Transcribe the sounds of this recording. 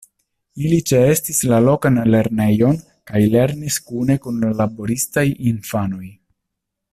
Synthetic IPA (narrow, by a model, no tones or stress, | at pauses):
ilit͡ʃe̞e̞stislalo̞kanle̞ɾne̞jo̞n | kajle̞ɾniskune̞kunlalabo̞ɾistajinfano̞j